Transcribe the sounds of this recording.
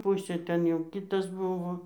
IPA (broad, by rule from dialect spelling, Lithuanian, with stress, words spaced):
ˈpʊsʲeː ˈtʲɛn jɛʊ ˈkʲɪtɐs ˈbʊʋoː